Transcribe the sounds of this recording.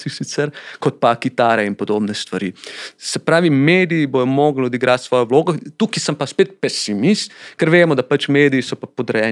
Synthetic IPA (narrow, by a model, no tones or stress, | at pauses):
sixsit̪sɛɾkot̪̚pakit̪aːɾɛinpod̪oːbnɛst̪ʋaɾḭsɛpɾaːʋimeːd̪ijːbojɔmoːɡlod̪iɡɾʔaːt̪sʋɔːjoʋloːɡot̪uːkisɐmpaspeːt̪̚pɛsimist̪kɛɾʋeːmɔd̪apat͡ʃmeːd̪iisɔpapod̪ɾɛjɛː